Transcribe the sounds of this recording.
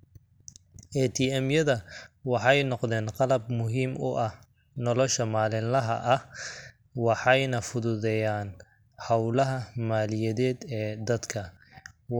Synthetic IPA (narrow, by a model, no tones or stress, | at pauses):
ʔɛːt̪ʰiɛmjɐðɐwɑħɑjnɔqðɛːnqɑlɐbmʊɦiːmʊ̰ʔɐh | nɔlɔʃɐmaːlɪnlɐɦɐ̰ʔɐh | wɑħɑjnɐfʊðʊðɛjaːn | hɑwlɐɦɐmaːlɪjɐðɛːd̪ɛːd̪ɐd̪kʰɐ